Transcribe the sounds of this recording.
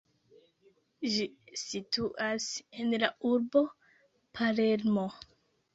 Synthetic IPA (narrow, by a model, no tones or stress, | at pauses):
d͡ʒisituʔase̞nlauɾbo̞ | pʰale̞ɾmo̞